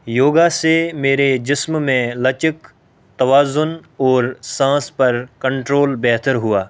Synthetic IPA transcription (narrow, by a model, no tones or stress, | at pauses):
joːɡasemeːɾed͡ʒɪsmmẽlɐt͡ʃɪk | t̪ɐʋaːzʊnɔːɾsãːspɐɾkɐ̃ɳʈɾoːlbɛɦt̪əɾɦʊaː